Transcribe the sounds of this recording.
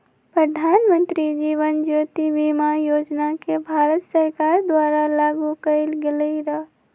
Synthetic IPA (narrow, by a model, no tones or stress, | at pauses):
pɾəd̪ʱanmə̃nt̪ɾid͡ʒiʋənd͡ʒot̪ibimajoːd͡ʒnakebʱaɾət̪səɾkaɾd̪waɾalaɡukəɪlɡeləiɾəɦ